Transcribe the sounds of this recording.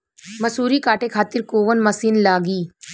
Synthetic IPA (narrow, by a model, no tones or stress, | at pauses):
mɐsuːɾikaːʈekʰaːt̪ɪɾkoːʋənmɐsiːnlaːɡiː